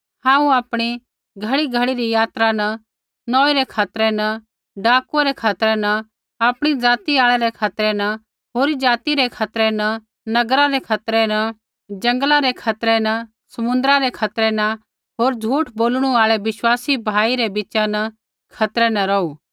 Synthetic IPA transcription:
hãːũaːpɽ̃i | ɡʱɐɭiɡʱɐɭiɾijaːt̪ɾanɐ | nɔːiɾɛkʰaːt̪ɾɛnɐ | ɖaːkuaɾɛkʰaːt̪ɾɛnɐ | aːpɽ̃id͡zaːt̪iaːɭ̃ɛɾɛkʰaːt̪ɾɛnɐ | ɦoːɾid͡ʒaːt̪iɾekʰaːt̪ɾɛnɐ | nɐɡɾaɾɛkʰaːt̪ɾɛnɐ | d͡ʒɐ̃ŋɡlaɾekʰaːt̪ɾɛnɐ | sɐmʊ̃nd̪ɾaɾɛkʰaːt̪ɾɛnɐ | ɦoːɾd͡ʒʱuːʈʰboːlɽ̃uaːɭɛʋɪʃwaːsibʱaːiɾebɪt͡ʃanɐ | kʰaːt̪ɾɛnɐ̃ɾɐuː

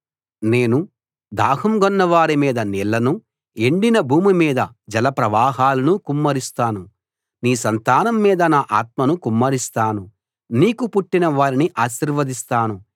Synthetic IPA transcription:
ne̞ːnu | d̪aːɦɐmɡɔnːɐʋaːɾimiːd̪ɐniɭːɐnu | eɳɖinɐbʱuːmimiːd̪ɐ | d͡ʒɐlɐpɾɐʋaːɦaːlɐnukumːɐɾist̪aːnu | niːsɐnt̪aːnɐmːiːd̪ɐnaːʔaːt̪̚mɐnukumːɐɾist̪aːnu | niːkupuʈːinɐʋaːɾiniʔaːʃiɾʋɐd̪ist̪aːnu

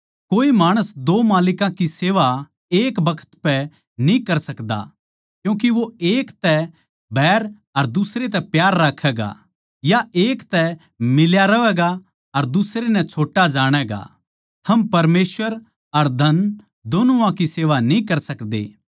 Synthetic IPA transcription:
koːimaːɽ̃əsd̪oːmaːlɪkãkiseːʋa | eːkbɐkʰə̥t̪pɛ | nĩkɐɾsɐkd̪a̰ | kjũːk̬iʋoeːkt̪ɛ | bʱɛːɾ | ɐɾd̪ʊsɾet̪̬ɛpjaːɾːaːkʰːɛːɡa̰ | jaʔeːkt̪ɛ | mɪljaɾɐʋɛːɡa | ɐɾd̪ʊsɾenɛ̃t͡ʃʰoːʈːad͡ʒaːɽ̃ɛːɡa̰ | t̪ʰɐmpɐɾmeːsʋəɾ | ɐɾd̪ʱɐn | d̪oːnuãkiseːʋanĩkɐɾsɐkd̪ḛː

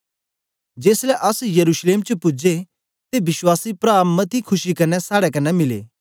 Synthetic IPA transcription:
d͡ʒeːslɛʔɐsjɐɾuːʃleːmt͡ʃəpʊd͡ʒe | t̪ebɪʃwaːsipɾaːmːɐt̪ʰikʰʊʃikɐnɛsaːɽɛkɐnːɛmɪlḛː

